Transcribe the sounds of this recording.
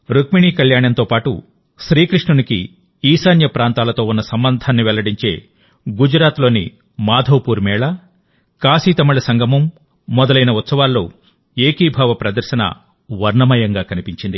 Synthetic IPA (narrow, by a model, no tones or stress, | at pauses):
ɾukmiɳiːkɐljaːɳɐnt̪o̞ːpaːʈṵ | ʃɾiːkɾiʂɳunikḭ | iːsaːnjɐpɾaːnt̪aːlɐt̪o̞ːunːɐsɐmbɐnd̪ʱaːnːiʋɛlɐɽiɲt͡ʃe̞ː | ɡud͡ʒɾaːt̪lo̞ːnḭ | maːd̪ʱoːpuːɾmɛːɭɐ | kaːsiːt̪ɐmuɭɐsɐŋɡʱɐmɐmː | ɔd̪ɐlɐjnɐut̪sɐʋaːlːo̞̰ː | eːkiːbʱaːʋɐpɾɐd̪ɐɾʃɐnɐ̰ | ʋɐɾɳɐmɐjɐŋɡaːkɐnipiɲt͡ʃind̪i